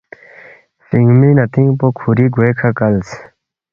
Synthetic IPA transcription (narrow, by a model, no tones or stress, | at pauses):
fiŋɡminɐt̪iŋɡpokʰuɾiɡwekʰakɐls